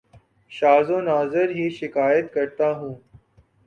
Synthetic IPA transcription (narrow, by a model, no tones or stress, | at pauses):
ʃaːzõːnaːzɪɾɦiːʃɪkaːjət̪kɐɾt̪aːɦũː